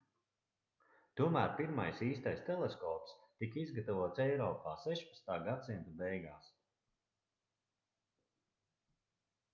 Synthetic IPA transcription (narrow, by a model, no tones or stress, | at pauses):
t̪uɔmæːɾpiɾmajsiːst̪ajst̪ɛlˠeskɔːpst̪ikizɡat̪avuɔt̪sɛjɾɔːpaːsɛʃpḁst̪aːɡat̪simʲt̪ubɛjɡaːs